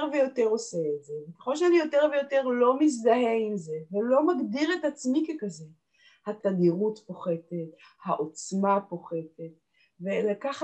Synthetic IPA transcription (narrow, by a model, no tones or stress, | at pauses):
ʁvejo̞te̞ʁo̞seːtzevekeχo̞lʃeanijo̞te̞ʁve̞jo̞te̞ʁlo̞mis̬d̪aɦeimze̞velo̞maɡdiʁetat͡smikekaze̞ | hat̪aɡiʁutpo̞χe̞te̞t | haʔot͡smapo̞χe̞tet | velakaχa